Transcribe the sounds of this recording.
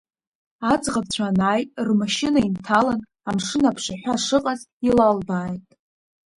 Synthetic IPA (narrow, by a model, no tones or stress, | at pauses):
ad͡zʁab̚t͡ɕʷʰanaːjʼrmaʃɪnaintʰalan | amʂɨnapʰʂaħʷaʂɨqʼaz | ilalbaːjtʼ